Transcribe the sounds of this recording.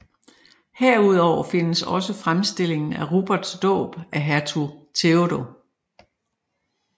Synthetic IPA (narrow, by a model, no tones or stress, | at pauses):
heɐ̰uð̞ˠɒʊ̰ɐfe̝nəsɒ̽səfʁamsd̥e̝l̰e̝ŋn̩æʁub̥ɐd̥sd̥ɔ̰̽ːb̥ʔæɦæɐt͡sʰut͡sʰe̝oɾo̝